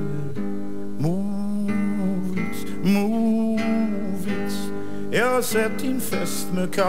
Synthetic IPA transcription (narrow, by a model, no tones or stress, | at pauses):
mu | vit | mu | vits | ɛsɛp̚t̪ĩnfɛst̪məkʰa